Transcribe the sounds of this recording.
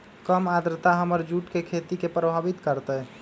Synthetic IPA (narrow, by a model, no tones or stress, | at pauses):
kəmad̪ɾət̪aɦəməɾd͡ʒuʈkekʰet̪ikepɾəbʱaʋit̪kəɾt̪əɦ